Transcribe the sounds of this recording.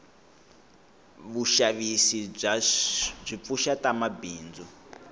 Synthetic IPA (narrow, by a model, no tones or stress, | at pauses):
βuʃaβisiab͡ʐʷip̪fuʃatamabiːnd͡zɔ